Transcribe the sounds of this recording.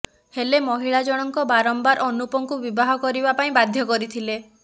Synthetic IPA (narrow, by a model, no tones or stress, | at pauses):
helemɔɦiɭad͡ʒɔɽ̃ɔŋkɔbaɾɔmbaɾʔɔnupɔŋkubibaɦɔkɔɾibapaĩbad̪ʱjɔkɔɾit̪ʰile